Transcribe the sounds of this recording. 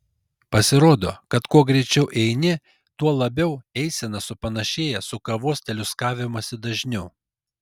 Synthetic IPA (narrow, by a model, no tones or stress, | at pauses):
pɐsʲɪɾoːd̪o̰ːkɐt̪kuɔɡɾʲɛɪt͡ʃʲɛʊʔɛɪnʲɪ | t̪uɔlˠɐbʲɛʊɛɪsʲɛnɐsʊpɐnɐʃʲeːjɛsʊkɐʋuɔst̪ʲɛlʲʊskɑːʋʲɪmoːsʲɪd̪ɐʒʲnʲɛʊ